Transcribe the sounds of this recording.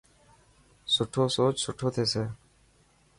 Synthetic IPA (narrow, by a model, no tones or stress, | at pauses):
sʊʈʰoːsoːt͡ʃsʊʈʰoːt̪ʰeːseː